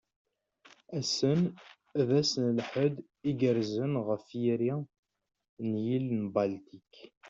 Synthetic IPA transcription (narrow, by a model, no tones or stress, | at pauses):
æsən | ðæsnlħəd̪ | iɡəɾzənʁəfjiɾi | njilnbalt̪ik